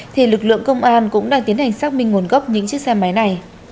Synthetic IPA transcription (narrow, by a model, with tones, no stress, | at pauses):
t̪ʰi˨˩lɨ˨˩k̚lɨ̰˧˨əŋkə˧wŋ͡mʔaː˧nkʊ̰˧˥ŋ͡mɗaː˧ŋt̪i˨˦ənha˨˩jŋ̟saː˦˥k̚mï˧ŋ̟ŋːo˨˩nɣɔ˦˥p̚ɲɨ̰˧˥ŋt͡ɕɨ˦˥sɛ˧mːa˨˦jna˨˩j